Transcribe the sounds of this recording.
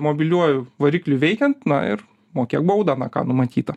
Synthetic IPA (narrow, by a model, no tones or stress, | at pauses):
moːbʲɪlʲuɔjʊʋɐɾʲiːklʲʊʋʲɛɪkʲɛnt̪nɐ̰ɪ̰ɾ | moːkʲiɛkbʊd̪ɑnɑkɑ̰nʊmɐt̪ʲiːt̪ɐ